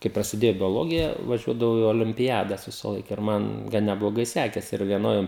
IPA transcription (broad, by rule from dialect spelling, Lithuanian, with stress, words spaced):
kɐɪ prɐsʲɪˈdʲeːjoː bʲoːˈlˠoːɡʲɪjɛ ʋɐˈʒʲuɔdɐʋɐʊ ɪ oːlʲɪmʲpʲɪˈjæːdɐs ʋʲɪsɐˈlˠɐɪk ɪr ˈmɐn ˈɡɐn nʲɛblˠoːˈɡɐɪ ˈsʲæːkʲɛsʲɪ ɪr ʋʲiɛˈnoːj